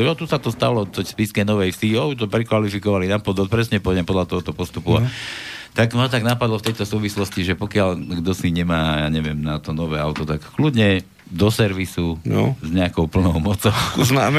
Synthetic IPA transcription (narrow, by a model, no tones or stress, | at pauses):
ɔt̪usat̪ɔst̪alɔt̪ɔspiskɛnɔʋɛjfsiɔbit̪ɔpɾɛkʋalifikɔʋalinapɔd̪ʋɔt̪̚pɾɛsɲɛpɔdɛmpɔd̪ʎat̪ɔɦɔt̪ɔpɔst̪upuat̪aɡmat̪aɡnapad̪lɔft̪ɛjt̪ɔsuːʋislɔsciʒɛpɔkɪalɡd̪ɔsiɲɛmaːjaːɲɛʋɪɛmnat̪ɔnɔʋɛːaʊt̪ɔt̪akklud̪ɲɛ | d̪ɔsɛɾʋisun̰zɲɛakɔʊpl̩nɔʊmɔt͡sɔʊuznaːm